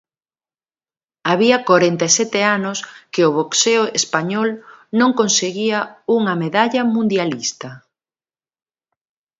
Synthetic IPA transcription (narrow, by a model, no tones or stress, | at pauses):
aβiɐkoɾent̪esɛt̪eanʊskeʊβokseʊespaɲɔlnõŋkonseɣiɐuŋɐmeðaʎɐmũnd̪jalist̪ɐ